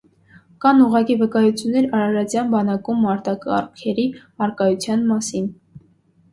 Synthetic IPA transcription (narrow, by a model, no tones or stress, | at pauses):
kɑnuʁɑkivəkɑjut͡sʰjunːɛɾɑɾɑɾɑt͡sjɑnbɑnɑkumːɑɾt̪ɑkɑ̰rkʰɛɾi | ɑɾkɑjut͡sʰjɑnmɑsin